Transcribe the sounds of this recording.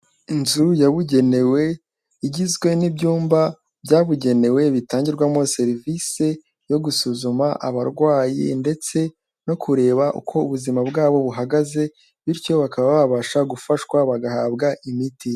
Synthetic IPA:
inzujaβuɟe̞ne̞we̞ | iɟizɡwe̞nibɟuːmba | bjaːβuɟe̞ne̞we̞βitaːɲɟiɾɡwamo̞se̞ɾivise̞ | jo̞ɡusuzumaʔa̰βaɾɡwaːjḭnde̞t͡se̞ | no̞kʰuɾe̞ːβaʔṵkʰo̞uβuzimabɡaːβo̞βuɦaɡaze̞ | βiɾco̞βakaβaβaβaʃaɡufaʃwaβaɡahaːbɡaʔimiti

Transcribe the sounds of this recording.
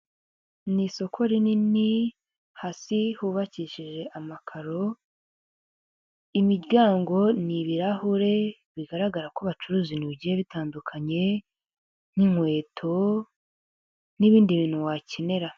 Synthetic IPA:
niso̞kʰo̞ɾinini | hasihuβaciʃiʒe̞ʔamakʰaɾo̞ | imiɾɟaːŋɡo̞niβiɾahuɾe̞ | βiɡaɾaɡaɾakoβat͡ʃuɾuːziniβɟieβitaːndukʰaɲe̞ | n̥iŋwe̞ːtʰo̞ | niβiːndiβiːn̥huwacene̞ɾa

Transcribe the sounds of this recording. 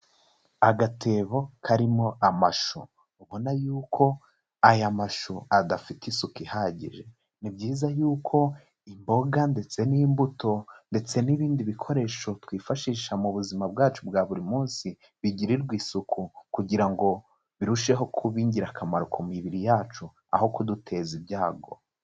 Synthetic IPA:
aɡatʰe̞ːβo̞kʰaɾimo̞amaʃu | uβo̞najuːkʰo̞ | ajamaʃuadafitisukihaːɟḭʒe̞ | nibɟiːzajuːkʰo̞ | imbo̞ɡande̞t͡se̞nimbuto̞nde̞t͡se̞niβiːndiβikʰo̞ɾe̞ʃo̞twiːfaʃiːʃamuβuzimab̚ɡaːt͡ʃubɡaːβuɾimuːnsi | βiɟiɾiɾɡwiːsukʰukuɟiɾaŋɡo̞ | βiɾuʃe̞ɦo̞kʰuβiːɲɟiɾakʰamaɾukʰumiβiɾijaːt͡ʃu | a̰ho̞kudutʰe̞zibɟaːɡo̞̰

